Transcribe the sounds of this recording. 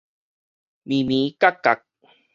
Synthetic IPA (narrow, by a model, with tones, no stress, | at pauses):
mi˨mi˨˦ka˦ka˨k̚